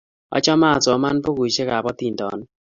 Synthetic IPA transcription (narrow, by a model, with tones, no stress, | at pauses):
ɔ̰˦t͡ʃɔ˦ma˦˨t͡sɔ˨˦ma˦npo˦ɡu˨ʃe˦ka˨pɔ˦t̪i˨ndɔ̰˨n